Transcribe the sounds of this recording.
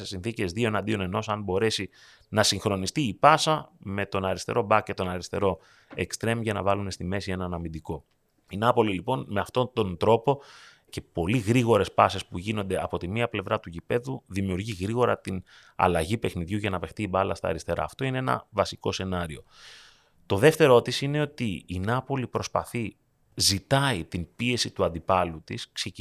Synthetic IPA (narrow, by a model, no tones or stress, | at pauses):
sesinθice̞zðio̞enɐnd̪io̞ne̞no̞sɐmbo̞ɾe̞si | nɐsiŋxɾo̞nist̪iːpɐsɐme̞t̪o̞nɐɾist̪e̞̰ɾo̞bɐkce̞t̪o̞nɐɾist̪e̞ɾo̞ | e̞kst̪ɾe̞mʝɐnɐ̰vɐlume̞st̪ime̞sienɐnɐmind̪iko̞ | inɐpo̞lilipo̞nme̞ɐft̪o̞t̪o̞nd̪ɾo̞po̞ | ce̞po̞liɣɾiɣo̞ɾe̞spɐse̞spuʝino̞nd̪e̞ɐpo̞t̪imiɐple̞vɾɐt̪uʝipe̞ðuðimiuɾʝiɣɾiɣo̞ɾɐt̪inɐ̰lɐʝipe̞xniðʝuʝɐnɐve̞xt̪iːbɐlɐ̰st̪ɐ̰ːɾist̪e̞ɾɐ̰ːft̪o̞ine̞enɐ̰vɐsiko̞se̞nɐɾio̞ | t̪o̞ðe̞ft̪e̞ɾo̞t̪isine̞o̞t̪iːnɐpo̞lipɾo̞spɐ̰θi | zit̪ɐit̪inpie̞sit̪uɐnd̪ipɐlut̪iskse